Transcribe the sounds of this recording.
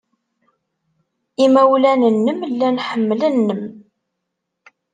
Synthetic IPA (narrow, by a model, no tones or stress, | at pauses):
imæwlænənːəmlːænħəmːələnːəm